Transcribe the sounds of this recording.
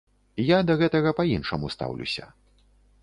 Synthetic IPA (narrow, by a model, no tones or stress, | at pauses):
jad̪ɐɣɛt̪ɐɣɐpɐinʂɐmust̪a̰wlʲṵsʲɐ̰